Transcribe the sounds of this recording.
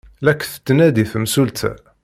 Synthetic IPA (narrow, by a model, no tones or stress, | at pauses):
lækːθə̥t̪ːnæd̪iθəmsult̪ʰæ̰